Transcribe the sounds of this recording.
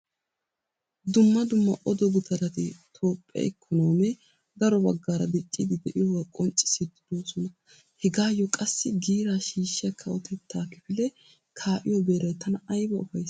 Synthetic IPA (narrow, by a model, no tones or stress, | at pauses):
d̪ʊmːɐd̪ʊmːɐʔɔd̪ɔɡʊt̪ʰɐɾɐt̪ɪt̪ʰoːpʼːɛ̰ɛkʰːɔnoːmɛ | d̪ɐɾɔbɐɡːaːɾɐd̪ɛt͡ʃʼːid̪ɪd̪ɛʔɪjɔɡɐkʼɔnt͡ʃʼɪ̥sɪd̪ɪd̪o̞ːsɔnɐ | hɛɡaːjɔkʼɐsːɪɡiːɾaːʃiːʃːɐkʰːɐɔt̪ʰɛt̪ʰːaːkɪfɪlɛ | kʰaːʔɪjɔbeːɾɐjt̪ɐnɐɐjbɐʊfɐjs